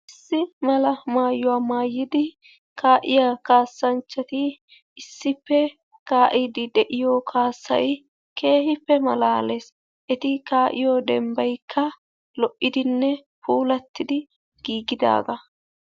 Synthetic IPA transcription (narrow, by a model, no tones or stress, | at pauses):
ʔɪsːɪmɐlɐmaːjːʊwaːmaːjːɪd̪ɪ | kʰaːʔɪjaːkaːsːɐnt͡ʃːɐt̪ɪ | ɪsːɪpːɛ | kaːʔɪd̪ɪd̪ɛʔɪjoːkʰaːsːɐ̰j | ke̞ːhɪpːɛmɐlaːleːs | ʔɛt̪ɪkaːʔɪjoːd̪ɛmbɐjkʰːɐ | lɔʔːɪd̪ɪnːɛ | puːlɐt̪ːɪd̪ɪ | ɡ̥iːɡɪd̪a̰ːɡɐ